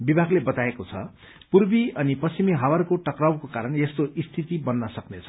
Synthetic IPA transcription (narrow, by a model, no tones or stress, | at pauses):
bibʱaɡlebʌt̪aekot͡sʰʌ̰ | purbiʌnipʌsimiɦawʌrkoʈʌkrawkokaɾʌnjest̪oʔist̪ʰit̪ibʌnːʌsʌknet͡sʰʌ̥